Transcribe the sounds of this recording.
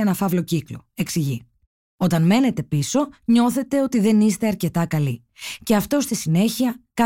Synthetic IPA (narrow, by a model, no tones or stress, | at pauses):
enɐfɐvlo̞ciklo̞̰e̞ksiʝi | o̞t̪ɐnme̞ne̞t̪e̞piso̞ɲo̞θe̞t̪e̞o̞t̪iðe̞nist̪e̞ɐɾce̞t̪ɐkɐli | ce̞ɐft̪o̞st̪isine̞çiɐkɐ